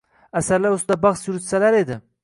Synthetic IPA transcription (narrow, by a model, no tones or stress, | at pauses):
asaɾlaɾʊst̪ɪd̪abɑχsjʊɾʊt̪salaɾe̞d̪ɪ